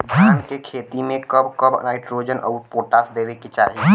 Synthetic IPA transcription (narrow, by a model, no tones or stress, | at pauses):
dʱaːnkekʰeːt̪imẽkəbkəbnaːɪʈɾoːd͡ʒənʔə̰ːpoːʈaːsd̪eːʋekit͡ʃa̰ːɦi